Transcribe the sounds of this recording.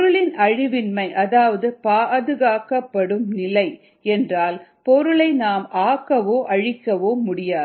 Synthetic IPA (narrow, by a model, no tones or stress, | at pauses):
pɾɯɭɪnʔɐɻɪʋɪnmɐɪʔɐðaːʋɐðɯpaːðɯɣaːkːɐpːɐɽɯmnɪlɐɪ | ɛndraːlpɔɾɯɭɐɪnaːmʔaːkːɐʋoːʔɐɻɪkːɐʋoːmʊɽɪjaːð